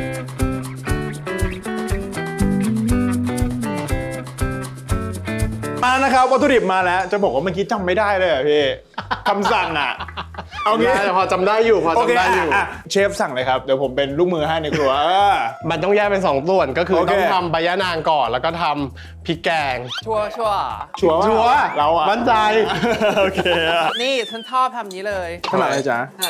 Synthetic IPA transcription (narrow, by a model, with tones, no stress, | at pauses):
ʔaː˧na˦˥kʰa˦˥p̚wa˦˥t̪ʰu˧di˨˩p̚maː˧lɛ˦˥wt͡ɕa˨˩bɔː˨˩k̚waː˥˩ma˧˥ki˦˥t͡ɕa˧mːa˥˩jdaː˥˩jlɤː˧jkʰa˨˩pʰiː˦˥˩ | kʰa˧msa˨˩ŋʔa̰˨˩ʔo˧kʰe˧ɛ˨˩pʰɔː˧t͡ɕa˧mdaː˥˩jːuː˨˩pʰɔː˧oː˧kʰeː˦daː˥˩jjuː˨˩a˧˩t͡ɕʰeː˦˥˩p̚sa˨˩ŋlɤː˧jkʰa˦˥p̚d̪i˨˩˦jpʰo˩˦mpe˧nluː˥˩k̚mɯː˧ɦa˥˩jna˧jkkɾu˧ɐʔaː˧˩ma˧nt̪ɔ˥˩ŋjɛː˥˩k̚pe˧ns̬ɔː˩˦ŋt̪u˨˩ənkɔː˥˩kʰɯː˧o˧ɔe˥˧ŋt̪ʰa˧mbaː˧ja˦˥naː˧ŋkɔː˨˩lɛː˦˥wkɔː˥˩t̪ʰa˧m | pʰi˦˥kɛː˧ŋt͡ɕʰu˥˩ɐ˦t͡ɕʰu˥˩ɐ˩˦t͡ɕʰu˦t͡ɕʰu˧˥˩ɐla˧˦wa˨˩baː˧˥˩nt͡ɕa˧joː˧kʰeː˧˩niː˥˩t͡ɕʰu˦˥˩nt͡ɕʰɔː˥˩p̪̚ʰa˧mniː˦˥lɤː˧jʰa˥˩a˨˦la˧˩t͡ɕa˦˥